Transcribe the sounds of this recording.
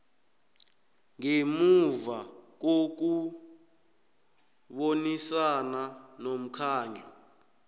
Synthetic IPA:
ŋemuvak̬ok̬u | ɓonisananom̩kʰaːɲʱɔ

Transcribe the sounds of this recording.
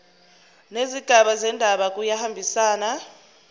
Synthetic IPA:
neziɡ̥ʱaɓazɛndʱaɓak̬ʼujahambʱisaːna

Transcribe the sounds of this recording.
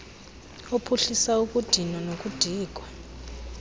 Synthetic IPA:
opʰuɬisauk̬ʼud̥ʱinɔnok̬ʼud̥ʱiːk̬ʼwa

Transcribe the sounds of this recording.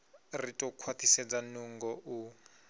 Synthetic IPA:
ritʼɔkʰwat̪ʰisɛd͡zanuŋɡɔʔu

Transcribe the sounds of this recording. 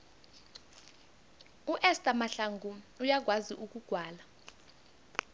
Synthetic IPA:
uʔɛstʼamaɬaŋɡʱuujaɡ̬waziʔuk̬ʼuɡ̥ʱwaːla

